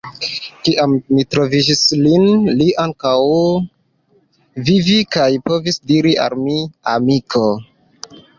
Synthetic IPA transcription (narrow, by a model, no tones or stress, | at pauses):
kiʔamːitɾo̞vid͡ʒislinliʔaŋkaw | vivikajpo̞visdiɾia̰lmiamikʰo